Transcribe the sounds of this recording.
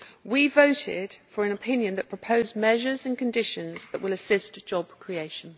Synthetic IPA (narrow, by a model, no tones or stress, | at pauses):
wivəʊtʰɪ̰d̥fəɹə̃ñəpʰɪ̃njə̃nðəʔpʰɹ̥əpʰəʊzmɛʒəzə̃nkʰə̃ndɪʃə̃nzðəʔwɪləsɪsd̥ʒ̥ɒb̥̚kʰɹ̥ieɪʃə̃n